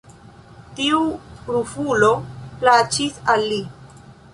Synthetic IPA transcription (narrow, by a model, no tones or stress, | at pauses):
tiuɾufuloplat͡ʃisalːi